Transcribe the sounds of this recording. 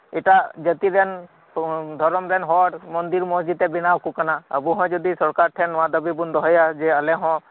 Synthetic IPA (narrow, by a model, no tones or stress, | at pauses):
ɪʈad͡ʒət̪iɾɛn | d̪ʱɔɾɔmɾɛnɦɔʈmənd̪iɾmɔsd͡ʒid̪ɛ̃bɪnawkukənaɐbuɦɔ̃d͡ʒud̪isɔɾkaɾʈʰɛnʋãd̪əbibund̪ɔɦɔjad͡ʒeəlɛ̃ɦɔ̃